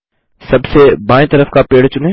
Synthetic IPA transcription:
sɐbsebãːẽt̪ɐɾəfkapeːɽt͡ɕʊnẽ

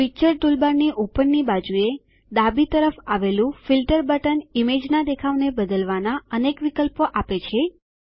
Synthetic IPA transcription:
pit͡ʃəɾt̪ulbaɾniʔupəɳnibad͡ʒue | d̪abit̪əɾəfaʋelũfilʈəɾbəʈənimed͡ʒnad̪ekʰaʋnebəd̪əlʋanaənekʋikəlpoʔapet͡ʃʰe

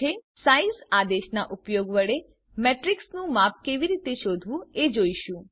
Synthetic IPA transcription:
esaisad̪eʃnaʔʊpjoɡʋəɭe | mɛʈɾiksnũmap̚keʋiɾit̪eʃod̪ʱʋũed͡ʒoiʃũ

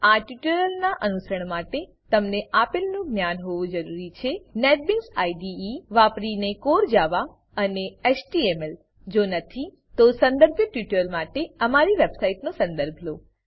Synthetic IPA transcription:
aʈjuʈəɾəlnaʔənusɾəɳ̃maʈe | t̪əmneʔapɪlnũɡnjanɦoʋũd͡ʒəɾuɾit͡ʃʰeneʈ̚biksaiɖiiʋapɽinekoɾd͡ʒaʋa | əneesʈiemel | d͡ʒonət̪ʰi | t̪osə̃nd̪əɾbʱjəʈjuʈəlmaʈeəmaɾiʋebsaiʈnõsə̃nd̪əɾbʱlo

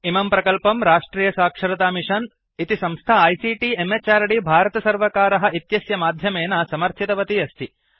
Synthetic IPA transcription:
imɐmpɾɐkɐlpɐmɾaːʂʈɾiːjɐsaːkʂɐɾɐt̪aːmiʂɐn | it̪isɐ̃mst̪ʰaɐjsiːʈiemet͡ʃaːɾɐɽibʱaːɾɐt̪ɐsɐɾʋɐkaːɾɐɦɐ̆it̪jɐsjɐmaːd̪ʱjɐmeːnɐsɐmɐɾt̪ʰit̪ɐʋɐt̪iɐst̪ʰi

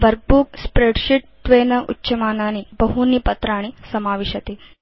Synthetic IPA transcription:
ʋəɾk̚buːkspɾeɖɕiʈːʋenəʔṵtːɕəmananibəɦuniːpɐt̪ɾaːɽ̃isɐmaːʋeːɕɐt̪eː

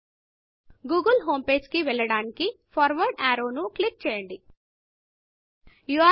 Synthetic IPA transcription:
ɡuːɡɐlɦoːmpeːd͡ʒkiʋɛɭːɐɽaːnikipʰɐːɾʋɐɾɖaːɾoːnuklik̚t͡ʃɛːjɐɳɖi | juaː

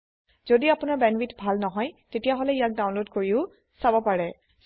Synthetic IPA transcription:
z̥odiapʊnaɹbɛnwitbʱalnɔɦɔjtetijaɦolɛijak̚dawnlodkoɹiʊ | sabɔpaɹɛ

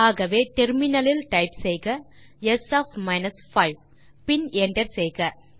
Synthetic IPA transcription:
aːɣɐʋeːʈɛɾmɪnɐlɪlʈɐɪpsɛjɣɐ | ɛsaːfmɐɪnɐsfɐɪʋ | pɪnɛɳɖɐɾsɛjɣɐ

